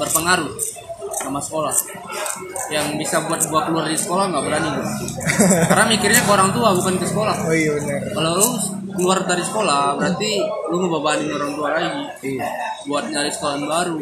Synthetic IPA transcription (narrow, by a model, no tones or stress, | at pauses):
bərpəŋaɾu | samasə̥kolah | jaŋbisabuat̪̚buat̪̚kəluardisə̥kolaŋɡaʔbəɾanid̪a | kaɾənamikirɲakəoɾaŋt̪uabukankəsə̥kolahoiabənərkalolʊ | kəluardaɾisə̥kolabəɾart̪iluməbabaɦanɪnoɾaŋt̪ualaɡi | buat̪̚ɲadadisə̥kolanbaɾu